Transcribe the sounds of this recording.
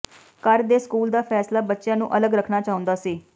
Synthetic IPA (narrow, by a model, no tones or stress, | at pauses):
kəɾd̪eːskuːld̪aːpʰɛːslaːbətːʃɪjãːnũːʔələɡɾəkʰnaːt͡ʃaːʊ̃nd̪aːsiː